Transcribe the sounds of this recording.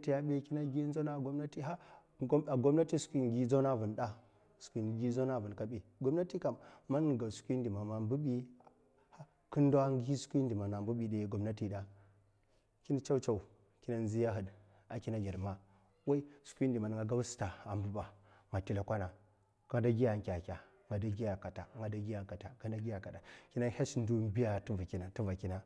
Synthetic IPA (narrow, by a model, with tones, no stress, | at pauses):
ti˦ja˦ɓe˦ki˦na˦ɡi˦n˦zo˦na˦˨ɡo˦mna˦ti˦ɦa˦ | a˨ɡo˦mna˦ti˦su̥˨˦kʷi˦˨ɡi˦d͡zo˦na˦˨vu˨nɗa˦ | su̥˨kʷi˨nɡi˦zo˦na˦˨vu˨n˨ka˦ɓi˨ɡo˦mna˦ti˦ka˨mːa˦n˨ɡa˨su̥˨˦kʷi˦ndi˨ma˨ma˨mbu˦bi˦ | ha˦ | ku˦n˦da˦a˦ŋɡi˦skʷi˦ndi˨ma˨na˨mbu˦ɓi˨ɗe˨ɡo˨mna˦ti˨ɗa˨ | ki˦na˦t͡ʃa˦u˦t͡ʃa˦˨u˨ | ki˦na˦n˦zi˦ja˦ɦə˨d | a˨ki˦na˦ɡʲi˨ɾma˦ | wa˦i˦su̥˨kʷi˦ndi˨ma˨n˨ŋɡa˨ɡa˦wsta˨a˨mbu˦ba˨ | ŋa˨ti˦la˨kʷa˦na˨ | ka˦da˦ɡʲi˦ja˨ŋkʲa˨kʲa˨ | ŋɡa˨da˦ɡi˦ja˨ka˨ta˨ŋɡa˨da˦ɡi˦ja˨ka˨ta˨ka˦da˦ɡi˦ja˨ka˨da˨ki˦na˦ha˦sn˦du˦m˦bi˦ja˦tu˦va˨ki˦na˨ti˦va˨ki˦na˦